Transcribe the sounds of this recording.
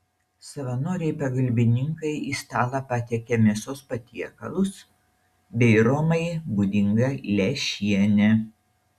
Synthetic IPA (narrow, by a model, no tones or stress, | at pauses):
sɐʋɐnoːɾʲɛɪpɐɡɐlʲbʲɪnʲɪŋkɐɪʔist̪ɑːlˠɐpɑːt̪ʲɛkʲɛmʲɛsoːspɐt̪ʲiɛkɐlˠʊs | bʲɛɪɾoːmɐɪbud̪ʲɪŋɡɐlʲɛʃʲiɛnʲɛ